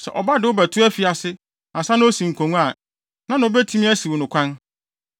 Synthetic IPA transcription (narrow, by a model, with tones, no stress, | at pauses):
sɛ̰˨ʔɔ˨ba˦dɪ˨wʊ˦bæ˨tʰʊ˦æ˦fi˨a˨sɪ˦ | ã˨sã˦nʊ̃˦o˦sĩ˨ŋ̩˨kʰõ˨ŋũ˦a˨ | nã˦nʊ̃˨˦o˦bæ˦tʰi˦mĩ˦æ˦si˨wo˨nʊ̃˨kʰʷã˦n